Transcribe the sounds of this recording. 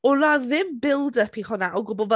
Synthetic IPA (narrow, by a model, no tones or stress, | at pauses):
ʊlaðɪmbɪlˠdəpʰiχʊnaʔɔɡʊbɔv